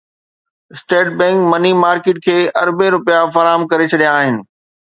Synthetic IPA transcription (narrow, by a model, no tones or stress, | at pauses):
ɪsʈeːʈ̚bɛ̃ːŋkmɐnimaːɾkɪːʈ̚kʰeːɐɾbeɾʊpijafɐɾaːɦəmkɐɾet͡ɕʰɐɗijaːɦɪnɪ̆